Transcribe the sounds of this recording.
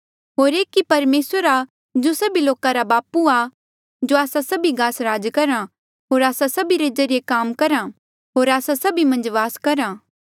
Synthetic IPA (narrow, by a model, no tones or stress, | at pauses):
ɦoːɾeːkːipɐɾmeːsəɾa | d͡ʒosɐbiloːkaɾabaːpua | d͡ʒoaːsasɐbiɡaːsɾaːd͡ʒkɐɾa | ɦoːɾaːsasɐbiɾed͡ʒɐɾijekaːmkɐɾa | ɦoːɾaːsasɐbimɐ̃nd͡ʒʋaːskɐɾa